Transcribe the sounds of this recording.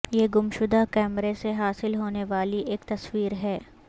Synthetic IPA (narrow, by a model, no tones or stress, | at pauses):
jeɡʊmʃʊd̪akɛːmɾeseɦaːsɪlɦoːneʋaːliʔeːkt̪ɐswiːɾɦɛː